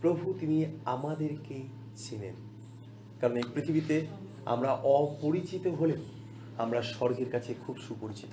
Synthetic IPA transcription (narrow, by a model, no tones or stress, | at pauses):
pɾobʱut̪imiamad̪eɾke | t͡ɕʰinḛn | kaɾonejpɾit̪ʰibit̪e | a̰mɾaʔɔpoɾit͡ɕit̪oɦole | amɾaʃɔɾɡʱeɾkat͡ɕʰekʰubʃupoɾit͡ɕi̥t̪o